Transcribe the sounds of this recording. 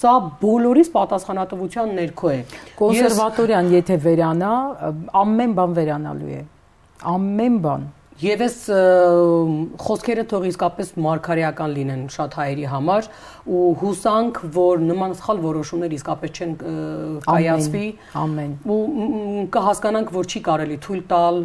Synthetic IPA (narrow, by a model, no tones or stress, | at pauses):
sɑbɔlɔɾispɑt̪ɑsχɑnɑt̪əvut͡sʰjɑnːɛɾkʰɔɛkɔnsɛɾvɑt̪ɔɾjɑnjɛt̪ʰɛvɛɾɑnɑɑmːɛnbɑnvɛɾɑnɑ̰lṵjɛ̰ | ɑmːɛnbɑ̰n | jɛvɛs | χɔskʰɛɾət̪ʰɔʁiskɑpɛsmɑɾkʰɑɾɛjɑkɑnlinɛnʃɑt̪hɑjɛɾiɦɑmɑɾ | uhusɑŋkʰvɔɾnəmɑnsə̥χɑlvɔɾɔʃumnɛɾəiskɑpɛst͡ʃʰɛnkɑjɑɛnʰvi | ɑ̰mːɛnu | kəɦɑskɑnɑŋkʰvɔɾt͡ʃʰikɑɾɛlit̪ʰujlt̪ɑl